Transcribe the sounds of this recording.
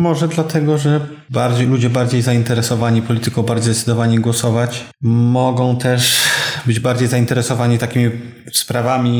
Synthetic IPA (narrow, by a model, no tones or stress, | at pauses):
mɔʐɛd̪lat̪ʰɛɡɔʐɛ | baɾd͡ʑejlud͡ʑɛbaɾd͡ʑejzaint̪ɛɾɛsɔvaɲipɔlʲit̪ɘkɔ̃w̃baɾd͡ʑejzd̪ɛt̪sd̪ɔvaɲiɡwɔsɔvat͡ɕ | mɔɡɔ̃w̃t̪ɛʂbɘd͡ʑbaɾd͡ʑejzaint̪ɛɾɛsɔvaɲit̪akʲimʲi | spɾavamʲi